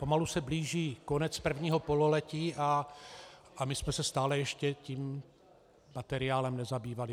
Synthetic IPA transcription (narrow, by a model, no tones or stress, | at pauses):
pomalusɛbliːʒiːkonɛt͡spr̩vɲiːɦopo̞lolɛciːʔa | ʔamɪsmɛsɛst̪aːlɛjɛʃcɛciːmː | at̪ɛɾɪaːlɛmnɛzabiːvalɪ